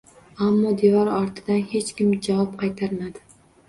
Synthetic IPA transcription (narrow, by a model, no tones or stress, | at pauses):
amːɒd̪evɒɾɒɾt̪ʰɪd̪anhe̞t͡ʃkʲɪmd͡ʒavɒp̚qʰɑjt̪ʰaɾmad̪ɪ